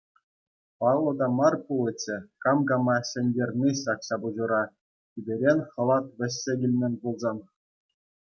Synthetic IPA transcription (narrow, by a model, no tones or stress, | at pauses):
pɑʋlˠŏd̪ɑmɑrpulʲˠɘ̆t͡ɕːɘ̆kɑmɡɑmɑɕɘ̆nʲdʲerʲnʲiɕɑkɕɑbuʑuɾɑ | ibʲeɾʲenʲχɤ̆lˠɑt̪ʋʲɘ̆ɕʲːeɡʲilʲmʲĕnʲpulˠzɑn